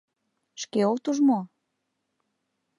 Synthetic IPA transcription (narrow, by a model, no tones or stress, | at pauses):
ʃkeokt̪uʒmo